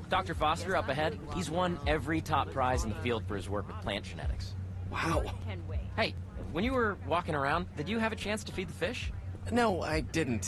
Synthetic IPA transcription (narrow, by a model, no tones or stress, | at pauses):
d̥ɑk̚tə˞fɑstə˞ʌpɨɦɛd̚hizwʌ̃nɛvɹitʰɑpʰɹ̥aɪzn̩ðəfilˠd̥fə˞ɨzwɜ˞kwɨð̥pʰl̥æ̰̃nd̥ʒ̥ɨnɛ̰ɾɨ̰kswaʊwheɪ | wə̃njɨwə˞wɔkɪ̃ŋə˞ãʊ̃ndɨd͡ʒɨːvɨt͡ʃʰæ̃nstɨfid̪̚ðəfɪʃnoʊa̰ɪdɪdⁿn̩t